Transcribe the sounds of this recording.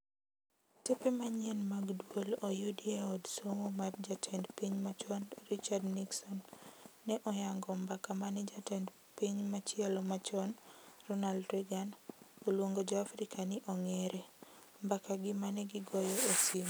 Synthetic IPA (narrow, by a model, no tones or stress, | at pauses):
tepemaɲɛnmaɡdwolojuʊdieɔdsomomabd͡ʒatʰɛndpiɲmat͡ʃɔnrit͡ʃardniksɔnːɛʔɔjaŋɡɔmbakamanid͡ʒatɛnd | piɲmat͡ʃjɛlɔmat͡ʃɔnrɔnaldɾiɡanolwoŋɡod͡ʒɔafɾikanɪʔɔŋeɾe | mbakaɡɪmanɛɡɪɡɔjɔosim